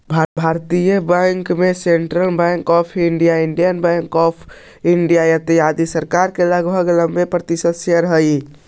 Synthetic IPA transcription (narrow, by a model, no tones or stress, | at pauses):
bʱabʱaɾt̪ijəbaŋkmeseɳʈɾəlbãŋkɔpʰiɳɖijaiɳɖijənbãŋkɔpʰ | iɳɖijajət̪ijad̪isəɾkaɾkeləɡbʱəɡləmbepɾət̪isəd̪sjəɾəɦəi